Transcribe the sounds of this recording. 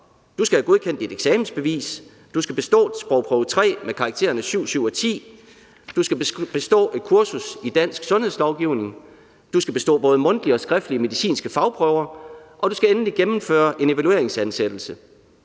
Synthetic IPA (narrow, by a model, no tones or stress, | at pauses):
d̥usɡ̥æhæɡ̥o̝ð̞ˠkʰen̰d̥id̥eɡ̥sɛːmn̩sb̥e̝ʋḭːs | d̥usɡ̥æb̥e̝sd̥ɔ̰̥̽ːsb̥ʁɒʊpʰʁœʊt͡sʰʁɛ̰ːmekʰɑ̈ɡ̥̚t͡sʰe̝̰ːɐnəsyʊ̰syʊ̰ɒ̽t͡sʰḭː | d̥usɡ̥æb̥e̝sd̥ɔ̰̽ːe̝d̥̚kʰuɐsusid̥æn̰sɡ̥sɔ̽nhe̝ðˠslɒʊɡ̥iʊ̰ne̝ŋ | d̥usɡ̥æb̥e̝sd̥ɔ̰ːb̥ɔ̽ːð̞̩ˠəmɔ̽nd̥liɒ̽sɡ̥ʁɛfd̥əliəme̝ðisḭːnsɡ̥əfɑ̈ʊpʰʁœʊɐʔɒ̽d̥usɡ̥æenn̩liɡ̥emm̩fø̰ːɐʔe̝ne̝ʋælue̝ɐeŋsænsed̥l̩sə